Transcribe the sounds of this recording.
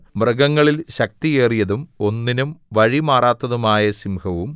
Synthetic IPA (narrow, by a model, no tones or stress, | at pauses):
mrɐɡɐŋːɐɭilɕɐk̚t̪ieːrijɐðumo̞nːinumʋɐɻimaːraːt̪ːɐðumaːjɐsimhɐʋum